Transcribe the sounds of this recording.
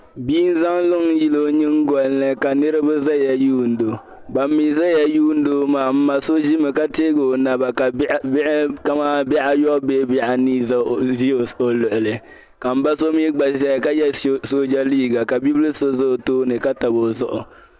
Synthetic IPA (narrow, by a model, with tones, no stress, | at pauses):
biː˦n̩˦za˦ŋlʊ˦ŋ˦ji˦lo˦ɲɨ˦ŋ˦ɡɔ˨lnɨ˨ka˨nɨ˦ɾɨ˦bɨ˦za˦ja˨juː˦n̩˨˦do˨ | ba˨mːiː˨za˦ja˦juː˦n̩˦do˦maː˨m̩ː˦a˨so˦ʒi˦mɨ˨ka˦teː˦ɡo˨na˨ba˨ka˨˦bʔka˦ma˦bɪ˦ʔa˦jɔ˦ʔbeː˦bɪ˦ʔa˨ni˦za˦˨ʒi˦˨o˨lʊ˨ʔʊ˨lɨ˨ | ka˨m̩˦ba˦so˦mi˦ɡ͡ba˨sa˦˨ka˦jɛ˦so˦d͡ʒa˦liː˦ɡa˨ka˨bi˦blɨ˦so˦zʊ˦˨toː˦nɨ˨ka˦ta˨bo˨zʊ˦ʔʊ˨